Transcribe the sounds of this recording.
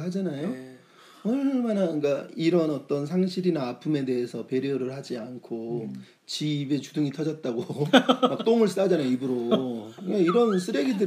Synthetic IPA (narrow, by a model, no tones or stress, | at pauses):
ɦad͡ʑanajo | ʌɭmanak͈aiɾʌnʌt͈ʌns̬ʰaŋɕʰiɾinaːpʰume̞de̞ɦesʰʌpe̞ɾjoɾɯɭɦad͡ʑiankʰo | t͡ɕibe̞t͡ɕuduŋitʰʌd͡ʑʌt̚t͈aɡomak̚t͈oŋɯɭs͈ad͡ʑanaibɯɾo | aiɾʌnsʰɯɾeɡidɯ